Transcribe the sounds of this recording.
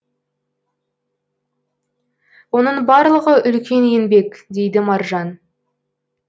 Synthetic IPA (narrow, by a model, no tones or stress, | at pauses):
wo̞nəɴbɑɾlˠəʁəʔʏlkʲe̞njenbe̞kd̪e̞jd̪ɪmɑɾʒɑn